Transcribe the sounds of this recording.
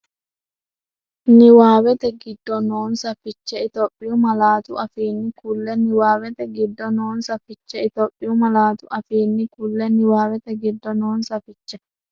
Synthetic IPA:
nɪwaːwɛt̪ɛɡɪd̪ːɔnoːnsɐfɪt͡ʃːɛɪt̪opʼːɪjʊmɐlaːt̪ʊʔɐfiːnːɪkʊlːɛnɪwaːwɛt̪ɛɡɪd̪ːɔnoːnsɐfɪt͡ʃːɛɪt̪oːpʼːɪjʊmɐlaːt̪ʊʔɐfiːnːɪkʊlːɛnɪwaːwɛt̪ɛɡɪd̪ːɔnoːnsɐfɪt͡ʃːɛ

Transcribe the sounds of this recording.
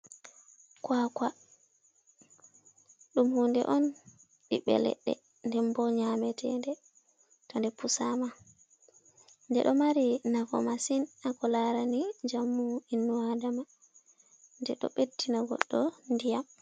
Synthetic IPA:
kwakwa | ɗumhundɛ̰ʔɔn | ɓiɓɛ̰lɛ̰ɗːɛ̰ | ndɛmbɔɲamɛtʰɛndɛ | tɔndɛpusama | ndɛ̰ɗɔmaɾinavɔ̰masinakɔlaɾanid͡ʒamːuinːuadama | ndɛɗɔ̰ɓetːinaɡɔ̰ɗːɔndijam

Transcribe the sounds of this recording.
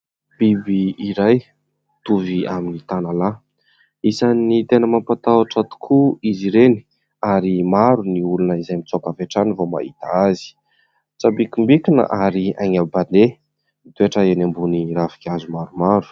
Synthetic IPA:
b̥ibiiɾaj | t̪uviaminit̪anala | isanit̪enəmampat̪awaʈ͡ʂat̪u̥kʰuiziɾeni̥ | aɾimaɾuniulunəizajmit͡sokaveʈ͡ʂanivoma̰it̪aazi̥ | t͡sabikimbikinə̰ʔaɾiaŋabane | id̪eaʈ͡ʂəenambuniɾafi̥kʲazumaɾumaɾu̥

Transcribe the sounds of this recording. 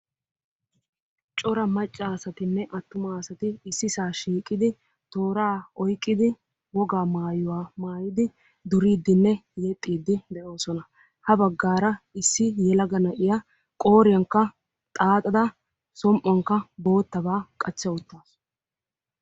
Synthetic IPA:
t͡ʃʼɔɾɐmɐt͡ʃʼːasɐt̪ɪnːɛʔɐt̪ːʊmasɐt̪ɪɪsːɪsaːʃiːkʼːɪd̪ɪ | t̪o̞ːɾaːɔjkʼːɪd̪ɪ | wɔɡaːmaːjʊwaːmaːjɪd̪ɪ | d̪ʊɾiːd̪ːɪnːɛjɛt̪ʼːiːd̪ːɪd̪ɛʔo̞ːsɔnɐ | hɐbɐɡːaːɾɐɪsːɪjɛlɐɡɐnɐʔɪjɐ | kʼo̞ːɾɪjɐŋkːɐ | t̪ʼaːt̪ʼɐd̪ɐ | sɔmʔɔŋkːɐbo̞ːt̪ːɐbaːkʼɐt͡ʃːɐwʊt̪ːaːs

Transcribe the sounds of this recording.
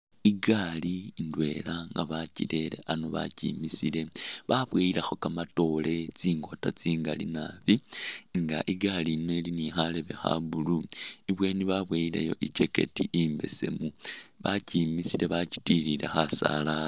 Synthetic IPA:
iɡalindwe̞laŋɡaβacile̞le̞̰ʔanoβa̰cḭmisile̞βaβwejilexo̞kamato̞le̞t͡siːŋɡo̞tat͡siːŋɡalḭnaβiŋɡa̰ʔiɡalinwelinixale̞βe̞xa̰βuluiβwe̞ːniβaβwejilḛjo̞̰ʔit͡ʃe̞ke̞̰tiʔimbe̞se̞̰muβacimisile̞βaci̥tiɾile̞̰xasa̰la

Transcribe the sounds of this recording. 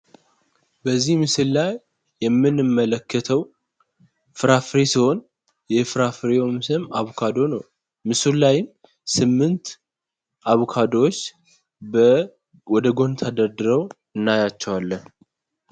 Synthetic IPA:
bəzːihmɨsɨllajː | ɛmːɨnɨmːələkːət̪ʰəw | fɨɾafɾesiho̞n | jɛfɾafɨɾeomsɨmaβokʰad̪o̞nəw | mɨsɨllːajɪm | sɨmːɨnt̪ | ʔaβokʰad̪oot͡ʃː | bə | wɔd̪əɡo̞nt̪ʰad̪əɾd̪ɨɾəw | ɨnːajat͡ʃːɛwalːən

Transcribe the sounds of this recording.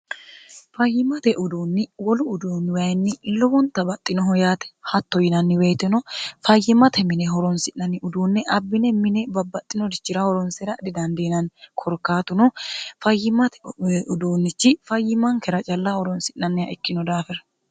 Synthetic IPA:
fɐjːɪmɐt̪ɛʔʊd̪uːnːɪwɔlʊːd̪uːnːwɐjnːɪlɔwɔnt̪ɐbɐt̪ʼːɪnɔɦɔjaːt̪ɛ̥hɐt̪ːɔjɪnɐnːɪwejt̪ɛnɔfɐjːɪmɐt̪ɛmɪnɛɦɔɾɔnsɪʔnɐnːɪʊd̪uːnːɛʔɐbːɪnɛmɪnɛbɐbːɐt̪ʼːɪnɔd̪ɪt͡ʃːɪɾahɔɾɔnsɛɾɐd̪ɪd̪ɐnd̪enɐnkʰɔɾkːaːt̪ʊnɔfɐjːɪmɐt̪ɛʊd̪uːnːɪt͡ʃːɪfɐjːɪmɐŋkɛɾɐt͡ʃʼɐlːahɔɾɔnsɪʔɐnːɪjaʔɛkːɪnɔd̪aːfɛɾɐ

